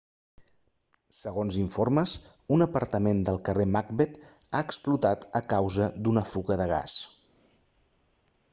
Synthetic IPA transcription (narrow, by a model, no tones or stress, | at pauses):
səɣ̞onziɱforməs | unəpəɾt̪əmend̪əlˠkəremaɡ̚bet̪ | aəksplut̪at̪əkawzəd̪unəfuɣəðəɣ̞a̰s